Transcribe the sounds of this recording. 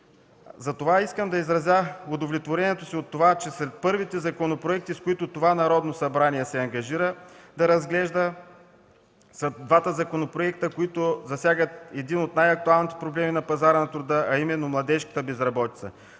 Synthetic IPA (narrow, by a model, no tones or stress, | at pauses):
zɐt̪ovaiskəmd̪ɐizɾɐzjaʊd̪ovlʲɛt̪voɾʲɛniɛt̪osiot̪ːovat͡ʃɛsɾɛt̪̚pɤɾvit̪ɛzɐkonopɾoɛk̚t̪iskoit̪ʊt̪ovanɐɾɔd̪nosɐbɾaniɛsɛɐŋɡɐʒiɾəd̪ɐɾɐzɡlɛʒd̪ə | sɐd̪vat̪əzɐkonopɾoɛk̚t̪əkoit̪ozɐsʲjaɡət̪ɛd̪inot̪najɐk̚t̪ualˠnit̪ɛ̥pɾoblɛminɐpɐzaɾənɐt̪ɾʊd̪əɐimɛnːomlˠɐd̪ɛʃkə̥t̪əbɛzɾɐbɔt̪it̪sə̰